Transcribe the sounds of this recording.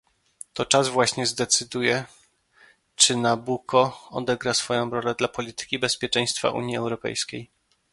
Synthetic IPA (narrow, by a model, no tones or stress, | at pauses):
t̪ɔt͡ʂazvwaɕɲɛzd̪ɛt̪sɘd̪ujɛ | t͡ʂɘnabukɔɔ̰d̪ɛɡɾasfɔjɔ̃w̃ɾɔlɛd̪lapɔlʲit̪ɘ̥kʲibɛspʲjɛt͡ʂɛ̃j̃st̪fa̰ʔṵɲjiɛwɾɔpɛ̰jskʲej